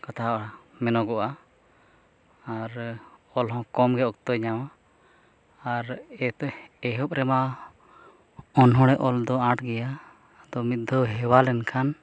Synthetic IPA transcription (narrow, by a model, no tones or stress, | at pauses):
kat̪ʰamɛnɔɡɔʔa | aɾɔlɦɔ̃kɔmɡɛʔɔkt̪ɔɲawa | ɾɛɛɦɔp̚ɾɛma | ɔnɦɔ̃ɽ̃ɛʔɔld̪ɔãʈɡɛja | d̪ɔmit̪̚d̪ʱɔɦɛwalɛnkʰan